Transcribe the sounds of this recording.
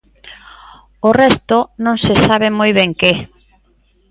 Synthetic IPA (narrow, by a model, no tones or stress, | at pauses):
orɛst̪ʊnõŋsesaβɪmojβɛŋke